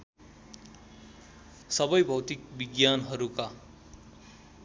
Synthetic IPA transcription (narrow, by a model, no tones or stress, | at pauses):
sʌbʌjbʱʌwt̪ik̚biɡjanɦʌɾuka